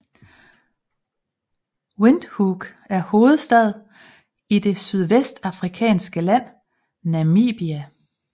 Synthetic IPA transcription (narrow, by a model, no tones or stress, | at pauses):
wend̥huɡ̥ | æɐho̝ːð̞̩ˠsd̥ɛð̞̩ˠ | id̥e̝syð̞ˠʋesd̥ɑ̈fʁikʰɛ̰ːnsɡ̥əlæn̰ | næmḭːb̥iæ